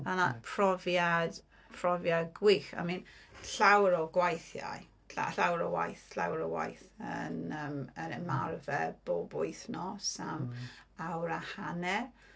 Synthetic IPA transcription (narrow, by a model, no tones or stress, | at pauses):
ðanapʰrɔvjad | pʰrɔvjaɡwɪxa̰miːnɬawɾɔɡwajθja̰j | ɬa̰ɬawɾɔwa̰jθɬa̰wɾɔwa̰jθə̰nəmənəmarvɛb̥obʊɨθnɔsamawɾahanɛ